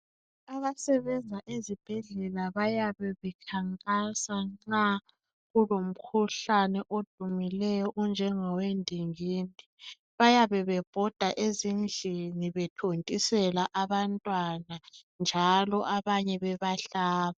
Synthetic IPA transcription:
aβasɛβɛnd͡zʱaʔezib̥ʱɛɮɛlaβajaβɛβɛkʰaŋkʼasaŋ͡ǁa | ɣulom̩kʰuɬanɛʔod̥ʱumilɛjɔʔɔnd͡ʒʱɛŋɔwendʱiŋiːni | βajaβɛβɛb̥ʱɔd̥ʱaʔezind͡ɮʱiniβɛtʰontʼisɛlaʔaβantʼwanand͡ʒʱalɔʔaβaɲɛβɛβaɬaːβa

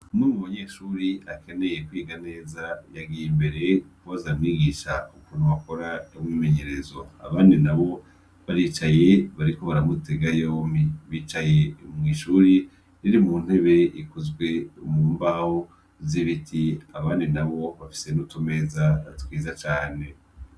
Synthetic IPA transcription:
numuβaɲeʃuɾiake̞ne̞je̞kwiːɡane̞ːzajaɡijimbe̞ɾe̞kuβazamwiɡiʃaukuːn̥uβako̞ɾaomwime̞ɲe̞ɾezoa̰βaːndinaβo̞ | βaɾiːt͡ʃajeβaɾiko̞βaɾamute̞ɡajoːmiβiːt͡ʃaje̞mŋiːʃuːɾi | niɾimuːn̥he̞βe̞ikuzɡwe̞umumbaho | ziβitʰiaβaːndinaβo̞βafi̥senutʰome̞ːzatwiːzat͡ʃaːne̞

